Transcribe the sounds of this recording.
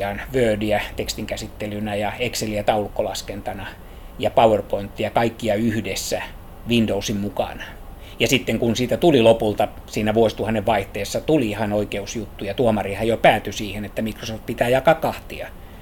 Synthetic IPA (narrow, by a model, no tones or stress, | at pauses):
ɑːnʋøːdiæt̪ekst̪iŋkæsit̪ːelynæjɑekseliæt̪ɑulukːolɑskent̪ɑnɑ | jɑpɑuwerpoint̪ːijɑkɑikːiɑyhdesːæ | ʋindousimmukɑ̰nɑ̥ | jɑsit̪ːeŋkunsiːt̪æt̪ulilopult̪ɑ | siːnæʋuosi̥t̪uhɑnːeʋʋɑiht̪eːsːɑt̪ulihɑnoikeusjut̪ːujɑt̪uomɑrihɑjopæːt̪ysiːhenet̪ːæmikrosoft̪̚pit̪æːjɑkɑkɑht̪iɑ̰